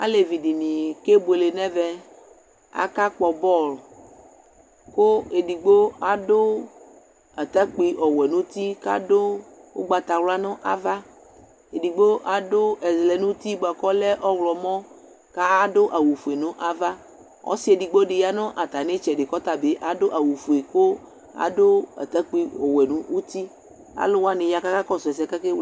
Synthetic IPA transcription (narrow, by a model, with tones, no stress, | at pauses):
a̰˦le˨vi˨di˨nĩ˨ke˦bo˨e˨le˨nɛ̃˦vɛ˦˨ | a̰˦ka˦k͡pɔ˨bɔ˦˨l | ko˦e˨di˨ɡ͡bo˦a˨do˦ | a˨t̪a˦k͡pi˨ʔɔ˨wɛ˨nũ˦t̪i˦ka̰˦ɖo˦wo̰˦ɡ͡ba˨t̪a˨wla˦nɔ̃˦ʔa̰˦va˦ | e˨di˨ɡ͡bo˦ʔa˦do˦ɛ˨zlɛ˨nũ˦t̪i˦ɡ͡ba˨kɔ˦lɛ˦ʔɔ˦wlɔ˨mɔ̃˦ | ka˦a˦ɖo˦ʔa˨wu˨fu˨e˨nõ˦ʔa˦va˦ | ɔ̰˦si˦e˨di˨ɡ͡bo˦ɖe˨ja˦nɔ̃˦ʔa˨t̪a˨ne˦t͡ʃɛ˨ɖe˨kɔ˦t̪a˨be˦ʔa˨ɖo˦ʔa˨wu˨fu˨e˨ko˦ | a̰˨ɖo˦a̰˨t̪a˦k͡pi˨ɔ˨wɛ˨nũ˦u˦t̪i˦ | a̰˦lo˦wa˦ne˨ja˨ka˦ka˦kɔ˦sɛ˨s̬ɛ˨ka˦ke˦